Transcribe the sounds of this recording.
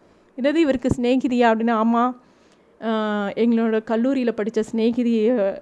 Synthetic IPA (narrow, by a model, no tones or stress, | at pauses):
ɪnɐðɯɪʋɐɾɯkːɯsneːkɪðɪjaːɐpːɐɽɪnːaaːmːaː | ɛŋɡɐɭoːɽɐkɐlːuːɾɪjɪlpɐɽɪt͡ʃːɐsneːkɪðɪj